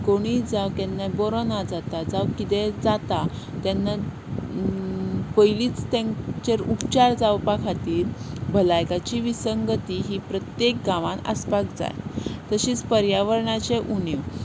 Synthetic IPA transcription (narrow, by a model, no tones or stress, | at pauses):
koɽ̃id͡zawk̪anːabɔɾonad͡zat̪ad͡zawkit̪ẽd͡zat̪a | t̪janːa | pəjliːt͡st̪at͡ɕeɾupt͡ɕaɾd͡zawpakʰat̪iːɾbʱəlajkat͡ɕiʋisəŋɡət̪iɦipɾət̪jek̚ɡaʋãnə̰spakd͡za̰jt̪əɕiːt͡spəɾjaʋəɾɳat͡ɕeʔuniw